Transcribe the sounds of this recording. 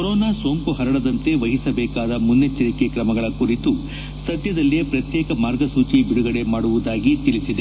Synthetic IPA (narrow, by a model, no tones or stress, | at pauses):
koɾɔːnaːso̞ːŋkuɦɐɾɐɽɐd̪ɐnt̪e̞ʋɐɦisɐbɛːkaːd̪ɐmunːet͡ʃːɐɾike̞kɾɐmɐɡɐɭɐkuɾit̪u | sɐd̪jɐd̪ɐlːiepɾɐt̪jɛːkɐmaːɾɡɐsuːt͡ʃibiɽuɡɐɽe̞maːɽuʋud̪aːɡit̪ilisid̪e